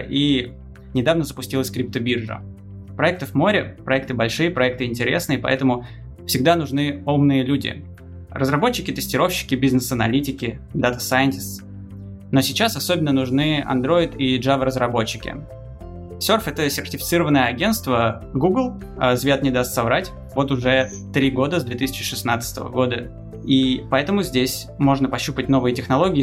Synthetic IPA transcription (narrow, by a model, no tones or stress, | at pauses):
ʔi | nʲɪd̪avnəzəpʊsʲtʲilˠəsʲkɾʲɪp̚t̪əbʲirʐə̰ | pɾɐɛk̚t̪ɨvmo̞ɾʲɪpɾɐɛk̚t̪ɨbɐlʲʂɨjəpɾɐɛk̚t̪ɨɪnʲtʲɪɾʲe̞snɨjəpɐ̰ɛt̪əmʊ | fsʲɪɡ̚d̪anʊʐnɨomnɨjəlʲudʲɪ̰ | rəzrɐbot͡ɕːɪkʲɪt̪ɨsʲtʲɪɾo̞fɕːɪ̥kʲɪbʲiznɨsənɐ̰lʲitʲɪkʲɪd̪at̪əsajɪnʲtʲɪs | no̞sʲɪt͡ɕasɐsobʲɪnːənʊʐnɨɐ̰nd̪ɾo̞ɪt̪iʐavəɾəzɾɐbo̞t͡ɕːɪkʲɪ̰ | sʲo̞rfɛt̪əsʲɪrtʲɪfʲɪt̪sɨɾəvənːəjəɐɡʲe̞nst̪və | ɡuɡlˠ | əzvʲat̪nʲɪd̪ast̪ʲsɐvɾatʲ | vo̞t̪ʊʐɛ | t̪ɾʲiɡo̞d̪əzd̪vʲet̪ɨsʲɪ̥t͡ɕɪʂɨsnat̪sɨ̥t̪ə̰və̰ɡo̞d̪ə | ipɐɛt̪əmʊzʲdʲesʲ | mo̞ʐnəpɐɕːupət̚ʲno̞vɨjətʲɪxnɐlˠo̞ɡʲɪː